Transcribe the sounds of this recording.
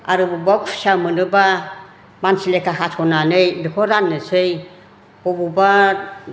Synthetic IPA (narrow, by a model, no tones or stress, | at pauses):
a̰ɾɯbubapʰsamɯnɯba | mansilekaɦasʰɔnanɯjdɯkʰɔɾanːɯsɯj | bɔbuba